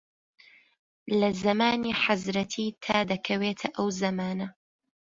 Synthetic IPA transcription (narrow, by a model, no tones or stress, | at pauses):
lɐzɐmaːniːħazɾɐt̪ʰiːt̪ʰaːd̪ɐkʰɐweːt̪ʰɐʔɐwzɐmaːnɐ